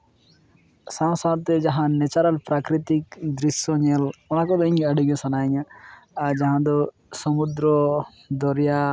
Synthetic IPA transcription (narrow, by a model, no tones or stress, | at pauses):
sãw̃sadt̪ɛd͡ʒaɦãnɛt͡ʃaɾalpɾakɾit̪ikd̪ɾisjɔɲɛlɔnakɔd̪ɔiɲaɖiɡɛsanaɲaːɾd͡ʒaɦãd̪ɔ | sɔmud̪ɾɔ | d̪ɔɾja